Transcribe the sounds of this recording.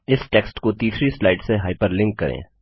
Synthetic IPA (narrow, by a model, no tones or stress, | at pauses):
ɪsʈeːksʈkot̪iːsɾislaːɪɖseɦaːɪpəɾlɪ̃ŋkːɐɾḛ̃ː